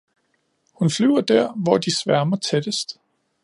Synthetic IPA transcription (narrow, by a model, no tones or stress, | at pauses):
hunflyʊɐd̥æɐ̰ʋɒd̥isʋæɐmɐt͡sʰed̥əsd̥